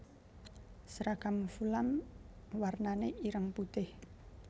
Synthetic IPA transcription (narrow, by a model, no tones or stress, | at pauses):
sɾakamfulam | warnaneʔiɾəŋput̪ɪh